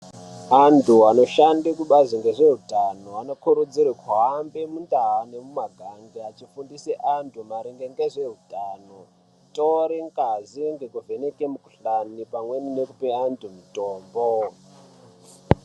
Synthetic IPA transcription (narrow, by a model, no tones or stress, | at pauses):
antʰuano̞ʃandikuɓaziŋɡe̞ʐe̞ɦutanoano̞kuɾud͡ziɾekaɦːmbemundaɦane̞mumaɡʱaŋɡeat͡ʃifundiseʔantʰumaɾiŋɡeŋɡeʐe̞ɦutʼaːno | toɾeŋɡaziŋɡe̞kuve̞nekemuku̥ɬanipamwe̞nine̞kupeantʰumitoːmbo